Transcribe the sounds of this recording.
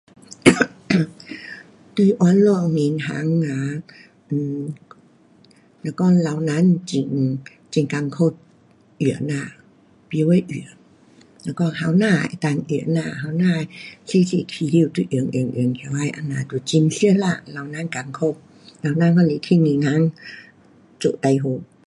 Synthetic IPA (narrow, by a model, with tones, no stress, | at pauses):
t̪ɯ˧˩ʔɔ˧˦nlu˧˩ə˨ŋmi˧˦nɦa̰ː˨˦ŋːaː˧˦ | ʔː | lɛː˧˩wkɔː˧˥˩la˧wna˦˥˨nt͡ɕi˧ŋ | t͡ɕi˧ŋka˧ŋkʰo˧˥˩p̚ | ʔɯ˨˩ənaː˧˩ | pi˧˦wa˧˩˨jʔɯ˨˩ə | lɛː˧˩wkɔː˧˥˩ha˧˨wnaː˧˩˨t̪aː˧˨ŋʔɯ˨˩ə˩naː˧˩ɦa˧˩wnaː˧˩˨si˧˥˨si˧˩˨k̪ʰi˧˦li˧˨t̪u˧˦ʔɯ˧˨˩əŋʔɯ̰˧˨əŋʔɯ˧əŋkʰi˧wa˧˥˩jʔa˧na˧˨t̪u˧˦t͡ɕi˧ŋsi˧˥˨əla˧˩la˧wna˧˥˨nka˧ŋkʰo˧˩p̚ | la˧wnaː˧˥˨kɔː˧˩le˧˦t̪ʰi˧˥˨ni˧na˧˥˨ŋ | t͡ɕo̰˧˨t̪a˧jɦo˧˦